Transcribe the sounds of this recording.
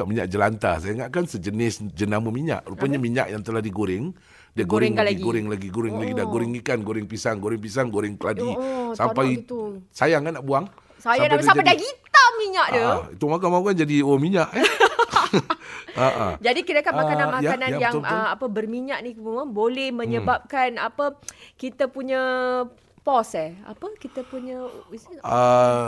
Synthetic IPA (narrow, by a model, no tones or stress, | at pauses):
kaʔmiɲa̰ʔd͡ʒəlant̪a̰sajaŋaʔkansəd͡ʒənɪsd͡ʒənaməmiɲa̰ʔrupaɲamiɲa̰ʔjaŋt̪əlahdiɡoɾɪŋ | diaɡoɾɪŋlɡoɾɪŋlaɡiɡoɾɪŋlaɡidaɡoɾɪŋikanɡoɾɪŋpisaŋɡoɾɪŋpisaŋɡoɾɪŋkəladisapaiusajaŋkanaʔbuaŋ | sajanaapadaɡit̪amiɲaʔdəit̪umakanmaukand͡ʒadiomiɲaʔ | aʔa̰d͡ʒadikidakanmakananmakananjaŋapəbərmiɲaʔnikməmabolɛhmə̃ɲəbap̚kanapəkit̪əpuɲə | pɔsɛa̰pəkit̪əpuɲə | ə